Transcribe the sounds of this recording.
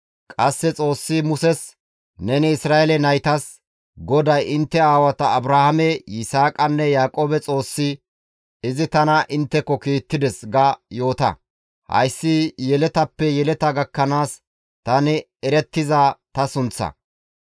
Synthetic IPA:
kʼɐsːɛt͡sʼo̞ːsːɪmʊsɛs | nɛnɪɪsɾaːʔɛlɛnɐjt̪ɐs | ɡɔd̪ɐjɪnt̪ːɛaːwɐt̪ɐːbɾahɐmɛjɪsaːkʼɐnːɛjaːkʼoːbɛt͡sʼo̞ːsːɪ | ɪzɪt̪ɐnɐʔɪnt̪ːɛkːɔkiːt̪ːɪd̪ɛsɡɐjo̞ːt̪ɐ̰ | hɐ̰jsːɪjɛlɛt̪ɐpːɛjɛlɛt̪ɐɡɐkːɐnaːs | t̪ɐnɪ | ɛɾɛt̪ːɪzɐt̪ɐsʊnt͡sːɐ̰

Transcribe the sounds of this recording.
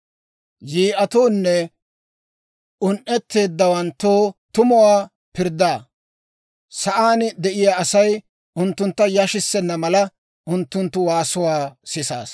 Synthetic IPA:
jiːʔɐt̪oːnːɛ | ʊnʔɛt̪ːe̞ːd̪ːɐwɐnt̪ːoːt̪ʊmʊwaː | pɪɾd̪aː | sɐʔaːnd̪ɛʔɪjaːɐsɐj | ʊnt̪ːʊnt̪ːɐjɐʃɪsːɛnːɐmɐlɐ | ʔʊnt̪ːʊnt̪ːʊwaːsʊwaːsɪsa̰ːs

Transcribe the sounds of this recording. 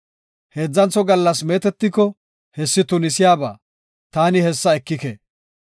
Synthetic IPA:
he̞ːd͡zːɐnt͡sɔɡɐlːɐs̬meːt̪ɛt̪ːɪkːɔ | hɛsːɪt̪ʊnɪsɪjaːba̰ː | t̪aːnɪhɛsːɐɛkːɪkḛ

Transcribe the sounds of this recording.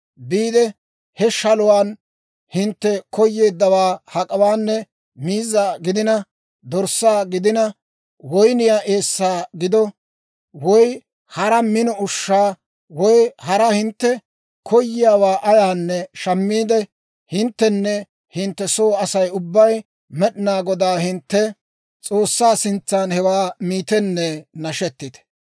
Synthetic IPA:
biːd̪ɛ | hɛʃɐlʊwaːn | hɪnt̪ːɛkɔjːe̞ːd̪ːɐwaːhɐkʼɐwaːnːɛ | miːzːaːɡɪd̪ɪnɐ | d̪ɔɾsːaːɡɪd̪ɪnɐ | wɔjnɪjaːʔe̞ːsːaːɡɪd̪ɔ | wɔj | hɐɾɐmɪnɔʊʃːaː | wɔjhɐɾɐhɪnt̪ːɛ | kʰɔjːɪjaːwaːʔɐjaːnːɛʃɐmːiːd̪ɛ | hɪnt̪ːɛnːɛ | hɪnt̪ːɛso̞ːɐsɐjʊbːɐj | mɛɗɪnaːɡɔd̪aːhɪnt̪ːɛ | t͡sʼo̞ːsːaːsɪnt͡sːaːnhɛwaːmiːt̪ɛnːɛnɐʃɛt̪ːɪt̪ɛ̥

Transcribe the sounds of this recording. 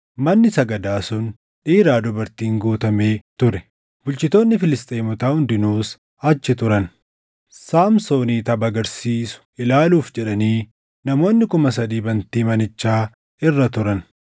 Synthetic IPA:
mɐnːɪsɐɡɐd̪aːsʊn | ᶑiːɾaːd̪ʊbɐɾt̪iːŋɡuːt̪ɐme̞ːt̪ʊɾɛ̥ | bʊlt͡ʃɪt̪oːnːɪfɪlɪst̪ʼejmʊt̪aːhʊnd̪ɪnuːs | ɐt͡ʃːɪt̪ʊɾɐn | saːmso̞ːniːt̪ɐbɐɡɐɾsiːsʊ̥ɪlaːluːfd͡ʒɛᶑɐniː | nɐmo̞ːnːɪkʊmɐs̬ɐd̪iːbɐnt̪iːmɐnɪt͡ʃːaː | ɪrːɐt̪ʊɾɐn

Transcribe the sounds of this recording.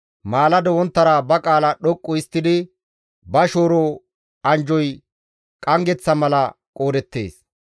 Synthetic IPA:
maːlɐd̪ɔwɔnt̪ːɐɾabɐkʼaːlɐɗɔkʼːɔɪst̪ːɪd̪ɪ | bɐʃo̞ːɾo | ɐnd͡ʒɔj | kʼɐŋɡɛt͡sːɐmɐlɐ | kʼo̞ːd̪ɛt̪ːe̞̰ːs

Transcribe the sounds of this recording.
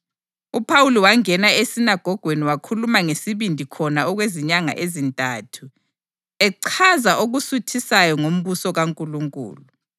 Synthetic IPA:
upʰawuliwaŋɛnaesinaɡ̥ʱɔɡ̥ʱweniwakʰulumaŋesiβindʱikʰɔnaɔɣweziɲaŋa̰ʔezintʼaːtʰu | ɛǀʰazaʔoɣusutʰisajɔŋom̩βusɔɣaŋkʼuluŋkʼṵːlu

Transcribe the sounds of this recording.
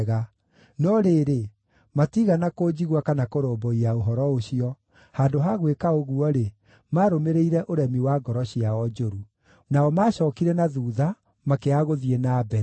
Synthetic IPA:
ɣa | nɔɾeːɾe | matiɣanakoːd͡ʑiɣwakanakoɾoːmbɔiaoɦɔɾɔoɕiɔ | haːndoɦaɣwekaoɣuɔɾe | maɾomeɾeiɾɛʔoɾɛmiwaːɡɔɾɔɕiaɔd͡ʒoɾu | naɔmaːɕɔːkiɾɛnaðuːða | makeaɣoðienaːbɛɾ

